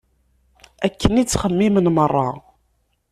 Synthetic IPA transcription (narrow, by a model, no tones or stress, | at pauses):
ækːənit͡sːχəmːimənmərˤːɑ